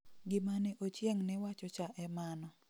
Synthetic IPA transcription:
ɡɪmanɛʔot͡ʃjɛŋnɛwat͡ʃɔt͡ʃaʔɛmanɔ

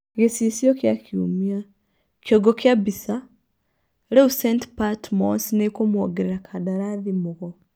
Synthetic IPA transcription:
ɣisisjokjakʰjṵmia | kjoɡokjabisa | leusentpatmonsinekomwoɡeɾeɾakʰadaɾaðimuɣo

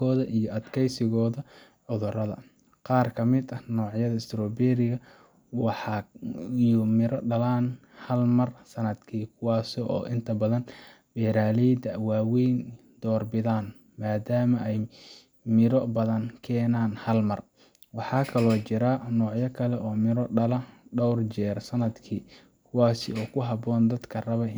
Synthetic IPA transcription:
ɔːðɐʔijɔʔɐd̪kʰɛjsɪɣɔːðɐ | ʕʊðʊrɐðɐ̰ | qɑːrkʰɐmɪd̪ɐnɔːʕjɐðɐɪst̪ʰɾɔːbɛɾɪɣɐ | wɑħɑ | jʊmɪɾʔɔɖɐlaːn | hɐlmɐrsɐnɐd̪kʰiːkʰʊwɑːsɔʔɔ̰ːʔɪnt̪ʰɐbɐðɐn | b̥ɛːɾaːlɛjd̪ɐwaːwɛjn | d̪̥ɔːrbɪðaːn | maːd̪aːmɐʔɛj | mɪɾɔbɐðɐnkʰɛːnaːnhɐlmɐr | wɑħɑːkʰɐlɔːt͡ʃɪɾɐnɔːʕjɐkʰɐlɛʔɔːmɪɾɔɖɐlɐɖɔwrt͡ʃɛːrsɐnɐd̪kʰiː | kʰʊwaːsɪɔːkʰʊɦɐbɔːnd̪ɐd̪kʰɐrɐβɐ

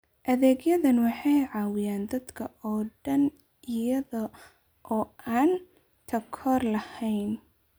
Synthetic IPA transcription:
ʔɐðɛːɡjɐðɐnwɑħɑjʕɑːwɪjaːnd̪ɐd̪kʰɐʔɔːɖɐn | ʔɪjɐðɔ | ʔɔːʔaːn | t̪ʰɐkʰɔːrlɐhɛjn

